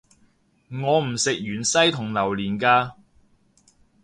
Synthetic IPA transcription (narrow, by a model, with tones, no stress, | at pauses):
ŋɔː˨˧m̩˨˩sɪ˨k̚jyː˨˩nsɐ˥jt̪ʰʊ˨˩ŋlɐ˨˩wliː˨˩nkaː˧